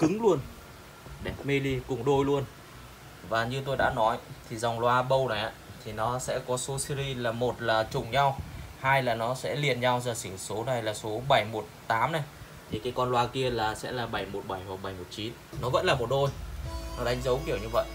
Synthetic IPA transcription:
kɨ˨˦ŋlu˧ən | ɗɛ˨˩p̚mi˧li˧kʊ˨˩ŋ͡mɗo˧jlu˧ən | vaː˨˩ɲɨ˧t̪o˧jɗa̰ː˧˥nɔ˨˦jt̪ʰi˨˩zɔ˨˩wŋ͡mlwaː˧ɓə˧wna˨˩jʔa̰ː˨˧˦t̪ʰi˨˩nɔ˨˦sɛ̰˧˥kɔ˨˦so˨˦si˧ɾi˧laː˨˩mo˨˩t̚laː˨˩t͡ɕʊ˨˩ŋ͡mɲa˧whaː˧jlaː˨˩nɔ˨˦sɛ̰˧˥li˨˩ənɲa˧wzəː˨˩sɨ˧˩so˨˦na˨˩jlaː˨˩so˨˦ɓa˧˩jmo˨˩t̚t̪aː˨˦mna˨˩j | t̪ʰi˨˩kaː˨˦jkɔ˧nlwaː˧ki˧əlaː˨˩sɛ̰˧˥laː˨˩ɓa˧˩jmo˨˩t̚ɓa˧˩jm˨˩t̚ɓa˧˩jmo˨˩t̚t͡ɕi˨˦nnɔ˨˦və̰˧˥nlaː˨˩mo˨˩t̚ɗo˧jnɔ˨˦ɗa˨˦ŋ̟zə˨˦wki˧˩əwɲɨ˧və̰˧˨jʔ

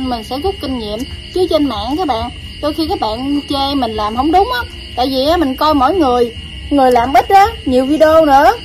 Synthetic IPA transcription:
mï˨˩ŋ̟sɛ̰˧˥zʊ˦˥k͡p̚kï˧ŋ̟ɲḭ˧˨əmt͡ɕɨ˨˦ət͡ɕe˧nma̰ː˧˨nkaː˦˥k̚ɓa̰ː˧˨n | ɗo˧jxi˧kaː˦˥k̚ɓa̰ː˧˨nt͡ɕe˧mï˨˩ŋ̟laː˨˩mɦə˧˩wŋ͡mɗʊ˨˦ŋ͡mʔaː˦ | t̪a̰ː˧˨jvi˨˩ʔaː˨˦mï˨˩ŋ̟kɔ˧jmɔ̰˧˨jŋɨ˨˩əj | ŋɨ˨˩əjlaː˨˩mɓə˦˥t̚zaː˨˦ɲi˨˩əwvi˧ɗo˧nɨ̰˧˥ə

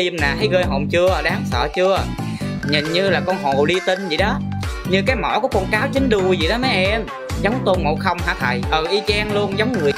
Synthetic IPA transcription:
i˧əmnaː˨˩t̪ʰə˨˦jɣəː˧jɦo̰˨˩ŋ͡mt͡ɕɨ˧ə˩ɗaː˨˦ŋsə̰ː˧˩t͡ɕɨ˧ə˨˩ | ɲï˨˩ŋɲɨ˧laː˨˩kɔ˧nɦo˨˩ɗi˧t̪i˧ŋ̟zḭ˧˩˨ɗɔ˨˦ | ɲɨ˧kaː˨˦jmɔ̰˧˩kɔ˨˦kɔ˧nkaː˨˦wt͡ɕï˨˦ŋ̟ɗu˨˩zḭ˨˩ɗɔ˨˦ma˨˦ʔɛ˧ɛ˧m | zə˨˦wŋ͡mt̪o˧nmo̰˨˩xə˧wŋ͡mha̰ː˧˩t̪ʰa̰ː˧˩jʔəː˨˩ʔi˧t͡ɕɛː˧nlu˧ənzə˨˦wŋ͡mŋɨ˨˩əj

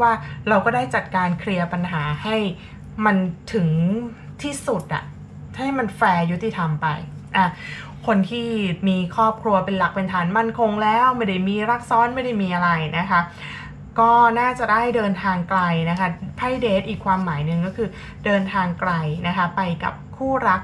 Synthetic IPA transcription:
waː˥˩ɾa˧wkɔː˥˩daː˥˩jt͡ɕa˨˩t̪̚kaː˧nkʰɾi˧ɐpa˧nɦaː˩˦ha˥˩j | ma˧nt̪ʰɯ˩˦ŋ | t̪ʰiː˥˩su˨˩t̪̚ʔa̰˨˩ʔʰ | a˥˩jma˧nfɛː˧ju˦˥t̪ːi˨˩t̪ʰa˧mpa̰˧jʔaː˧˩ | kʰo˧nt̪ʰiː˥˩miː˧kʰɾɔː˥˩p̚kʰɾu˧ɐpe˧nla˨˩k̚pe˧nt̪ʰaː˩˦nma˧nkʰo˧ŋlɛː˦˥wma˥˩da˥˩jmiː˧ɾa˦˥k̚sɔː˦˥nma˥˩jda˥˩jmiː˧ʔa˧ɾa˧jna˦˥kʰa˦˥ | kɔː˥˩naː˥˩t͡ɕa˨˩daː˥˩jdɤː˧nt̪ʰaː˧ŋkla˧jna˦˥kʰa˦˥pʰa˥˩jdeː˨˦˥t̪̚ʔiː˨˩kʰːwaː˧mːaː˩˦jnɯ˨˧ŋkɔː˥˩kʰɯː˧ | dɤː˧nt̪ʰaː˧ŋkla˧jna˦˥kʰa˦˥pa˧jka̰˨˩p̚kʰuː˥˩ɾa˦˥k̚

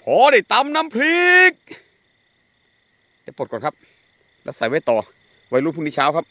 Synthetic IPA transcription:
pʰɔː˨˧˦ɾa˧˩jt̪a˧˥mnaː˦˥mpʰli˦˧k̚ | daː˧˩jpoː˨˩t̚kːnkʰa˦˥p̚ | lɛ̰ː˦˥wsa˨˩˦jwa˧˥˩jt̪ɔː˨˩ | wa˧˩jɾuː˥˩pʰuː˧˥˩ni˦˥˩t͡ɕʰaː˦˥wkʰa˦˥p̚

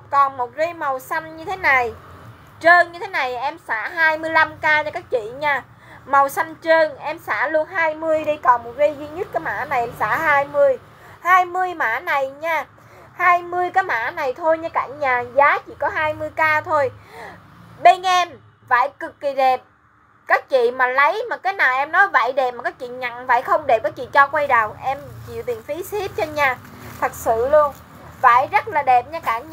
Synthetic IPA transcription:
kɔ˨˩nmo˨˩t̚ɣi˧jmə˨˩wsa˧jŋ̟ɲɨ˧t̪ʰe˨˦na˨˩j | t͡ɕəː˧nɲɨ˧t̪ʰe˨˦na˨˩jʔɛ˧msaː˧˥ɦaː˧jmɨ˧əjla˧mkaː˧ɲa˧kaː˦˥k̚t͡ɕḭ˧˨ɲaː˧ | ma˨˩wsa˧jŋ̟t͡ɕəː˧nʔɛ˧msaː˧˩lu˧ənɦaː˧jmɨ˧əjɗi˧jkɔ˨˩nmo˨˩t̚ɣi˧zi˧ɲɨ˦˥t̚kaː˨˦ma̰ː˧˩˥na˨˩jʔɛ˧msa̰ː˧˥ɦaː˧jmɨ˧əj | haː˧jmɨ˧əjma̰ː˧˥na˨˩jɲaː˧ | haː˧jmɨ˧əjkaː˨˦ma̰ː˧˥na˨˩jt̪ʰo˧jɲaː˧kaː˧˩ɲaː˨˩zaː˨˦t͡ɕḭ˧˨kɔ˨˦ɦaː˧jmɨ˧əjkaː˧t̪ʰo˧j | ɓe˧nʔɛ˧m | va̰ː˧˨jkɨ˨˩kːi˨˩ɗɛ˨˩p̚ | kaː˦˥k̚t͡ɕḭ˧˨maː˨˩lə˨˦jmaː˨˩kaː˨˦jnaː˨˩wʔɛ˧mnɔ˨˦jva̰ː˧˨jɗe˨˩p̚maː˨˩kaː˨˦˥k̚t͡ɕḭ˧˨ɲa̰˧˨ŋva̰ː˧˨jxə˧wŋ͡mɗe˨˩p̚kaː˨˦k̚t͡ɕḭ˧˨t͡ɕɔ˧kwa˧jɗaː˨˩wʔɛ˧mt͡ɕḭ˧˨wt̪i˨˩ənfi˨˦si˦˥p̚t͡ɕɔ˧ɲaː˧˨˩ | t̪ʰə˨˩t̚sɨ̰˧˨lu˧ən | va̰ː˧˨jzə˦˥t̚laː˨˩ɗɛ˨˩p̚ɲa˧kaː˧˩ɲ

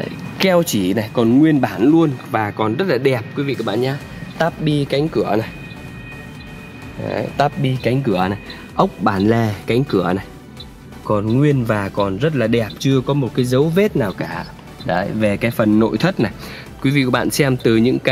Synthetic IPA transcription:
kɛ˧wt͡ɕi˧˩na˨˩jkɔ˨˩nŋwi˧ənɓaː˧˩nlu˧ənvaː˨˩kɔ˨˩nzə˦˥t̚laː˨˩ɗɛ˨˩p̚kwi˨˦vḭ˧˨kːɓa̰ː˧˨nɲaː˧˦ | t̪aː˦˥p̚ɓi˧ka˨˦jŋ̟kɨ˧˩əna˨˩j | a̰˧t̪aː˦˥p̚ɓi˧ka˨˦jŋ̟kɨ˧˩əna˨˩j | ʔə˦˥wk͡p̚ɓaː˧˩nlɛ˧˨˩ka˨˦jŋ̟kɨ˧˩əna˨˩j | kɔ˨˩nŋwi˧ənvaː˨˩kɔ˨˩nzə˦˥t̚laː˨˩ɗɛ˨˩p̚t͡ɕɨ˧əkɔ˨˦mo˨˩t̚kaː˨˦jzə˨˦wve˦˥t̚naː˨˩wkaː˧˩ | ɗə̰˨˦ve˨˩kaː˨˦jfə˨˩nːo̰˧˨jt̪ʰə˦˥t̚na˨˩j | kwi˨˦vḭ˧˨ku˧˩ɓa̰ː˧˨nsɛ˧mt̪ɨ˨˩ɲɨ̰˧˥ŋka˨˧

